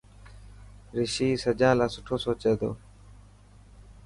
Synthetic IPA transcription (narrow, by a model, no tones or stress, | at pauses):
ɾɪʃiːsəd͡ʒãːlaːsʊʈʰoːsoːt͡ʃeːd̪o̰ː